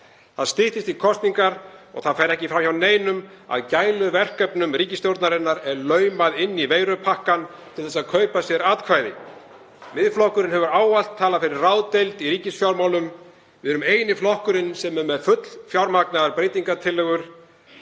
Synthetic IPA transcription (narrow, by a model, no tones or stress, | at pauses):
θaðst̪ɪht̪ɪst̪ikʰɔst̪niŋkaɾɔ̰ɣθaðfɛɾɛhcɪfɾamçawneːjnʏm | a̰ðcaːjlʏvɛr̥kœpnʏmɾiːcɪst̪jowɾt̪naɾɪnːaɾɛɾlœːɥmaðɪnːiveːjɾʏpʰahkan | t̪ʰɪlθɛsaðkʰœɥpasjɛɾaːt̪kʰvajðɪ | mɪðflɔhkʏɾɪnɦɛvʏɾaːwval̥t̪ʰːaːlafɪɾɪɾraːwt̪ejlt̪iɾiːcɪsfjawɾmaːwlʏm | vɪðɛɾʏmeːjnɪflɔhkʏɾɪnsɛmɛɾmɛðfʏt̪l̥fjawɾmaknaðaɾpɾejt̪iŋkat̪ʰɪlːœɣʏɾ̥